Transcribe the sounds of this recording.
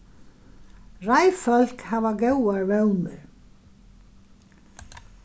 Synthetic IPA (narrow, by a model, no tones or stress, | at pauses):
rajfœl̥khavakewaɾvɛwnʏɾ̥